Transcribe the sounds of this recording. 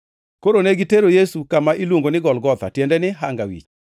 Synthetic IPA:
koɾoneɡiteɾojesukamaʔilwoŋɡonɪɡɔlɡɔt̪a̰tjɛndɛnɪɦaŋɡawḭt͡ʃ

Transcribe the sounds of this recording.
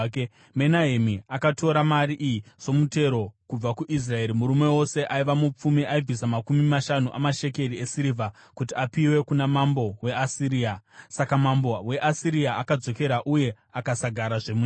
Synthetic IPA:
menaɦemiakato̞ɾamaɾiʔijiso̞mute̞ɾo̞kub͡vakuʔis̬rae̞ɾimuɾume̞wo̞se̞ʔaiʋamup͡fumiʔaib͡visamakumimaʃanuʔa̰maʃe̞ke̞riesiɾivʱa | kutiapiwe̞kunamambo̞we̞asiɾiːasakamambo̞we̞ʔasiɾiaakad͡zo̞ke̞ɾaʔuje̞ | akasaɡʱaɾaʐemu

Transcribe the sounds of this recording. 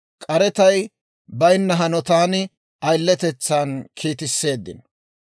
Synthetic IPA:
kʼɐɾɛt̪ɐj | bɐjnːɐɦɐnɔt̪aːnɪ | ɐjlːɛt̪ɛt͡sːaːnkʰiːt̪ɪsːe̞ːd̪ːɪ̰n

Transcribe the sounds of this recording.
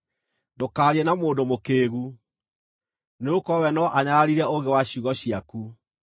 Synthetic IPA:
dokaːɾiɛnamoːdomokeːɣu | neokɔwɛnɔʔaɲaɣaɾiɾɛoɣewaɕuɣɔɕiaku

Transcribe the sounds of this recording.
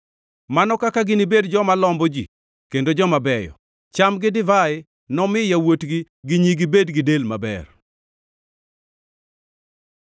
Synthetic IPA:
manɔkakaɡɪnibedd͡ʒɔmalɔmbɔd͡ʒḭ | kendod͡ʒɔmabɛjɔ̰ | t͡ʃamɡɪdɪvaɪ | nɔmɪjawotɡi | ɡɪɲiɡɪbedɡɪdelmabɛ̰r

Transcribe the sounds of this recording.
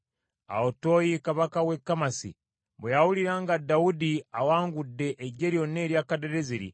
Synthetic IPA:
a̰oto̞jikaβakawekːamasḭ | bejawuliɾaŋɡadaudiawaːŋɡudːe̞ʔːɟe̞ɾjo̞nːe̞ːɾjaːkadeɾeziɾḭ

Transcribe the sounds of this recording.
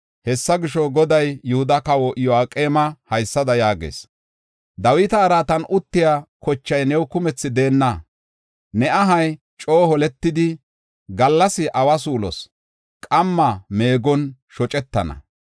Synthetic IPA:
hɛsːɐɡɪʃɔɡɔd̪ɐjːʊhʊd̪ɐkɐwɔʔɪjɔaːkʼe̞ːmɐhɐjsːɐd̪ɐjaːɡḛːs | d̪ɐwɪt̪ɐːɾaːt̪ɐnʊt̪ːɪjaːkɔt͡ʃːɐjnɛwkʊmɛt͡sːɪd̪e̞ːnːɐ | nɛʔɐɦɐj | t͡ʃʼo̞ːhɔlɛt̪ːɪd̪ɪ | ɡɐlːɐsɪʔɐwɐsuːlɔ̰s | kʼɐmːɐme̞ːɡɔnʃɔt͡ʃʼɛt̪ːɐnɐ̰

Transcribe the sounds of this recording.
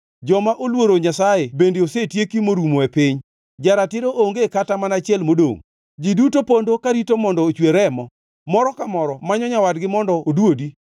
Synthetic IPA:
d͡ʒɔmaʔolwoɾoɲasajebendeosetjekimoɾumoepɪɲ | d͡ʒaɾatɪɾoʔoŋɡekatamanat͡ʃjɛlmodo̰ŋ | d͡ʒidutopondokaɾitomɔndɔːt͡ʃweɾɛmɔ | mɔɾɔkamɔɾɔmaɲɔɲawadɡɪmɔndɔodwodi

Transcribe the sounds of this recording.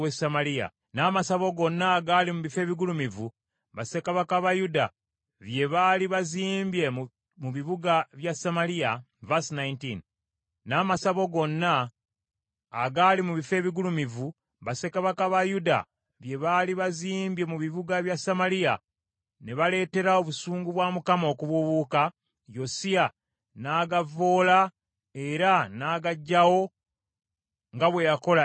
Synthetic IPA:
wesamalia̰ | naːmasaβo̞ɡo̞nːaːɡalimuβife̞ːβiɡulumivu | βasekaβakaβajuda̰ | βje̞βaːliβaziːmbje | muβiβuɡaβjasamalija | vasnajntinː | aːmasaβo̞ɡo̞nːa | ɡalimuβife̞ːβiɡulumivu | βase̞kaβakaβajuda̰ | βje̞βaliβaziːmbje̞muβiβuɡaβjasamalija | ne̞βale̞ːte̞ɾao̞βusuːŋɡuβwaːmukamo̞kuβuβuːka | jo̞sia | naːɡavo̞ːla | e̞ɾanaːɡaɟːawo̞ | ŋɡaβwe̞jako̞la

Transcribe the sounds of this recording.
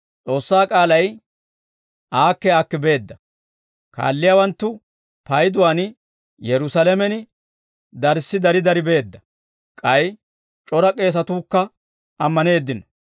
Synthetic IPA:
t͡sʼo̞ːsːaːkʼaːlɐj | ʔaːkːɛaːkːɪbe̞ːd̪ːɐ | ka̰ːlːɪjaːwɐnt̪ːʊ | pɐjd̪ʊwaːn | jɛɾʊsalɛmɛnɪ | d̪ɐɾsːɪd̪ɐɾɪd̪ɐɾɪbe̞ːd̪ːɐ | kʼɐj | t͡ʃʼɔɾɐkʼe̞ːs̬ɐt̪uːkːɐ | ɐmːɐne̞ːd̪ːɪnɔ

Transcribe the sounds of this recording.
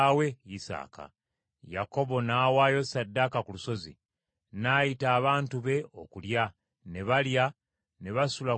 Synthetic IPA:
we̞isa̰ːka̰ | jako̞βo̞naːwaːjo̞sadːakakuluso̞zḭ | naːjitaːβaːntuβe̞o̞kulja | ne̞βalja | ne̞βasula

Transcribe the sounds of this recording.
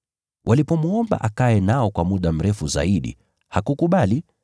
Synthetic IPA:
wʔalipɔmuɔmba̰ʔakaɛnaɔkwamuɗam̩ɾɛfuza̰iɗḭ | hakukuɓali

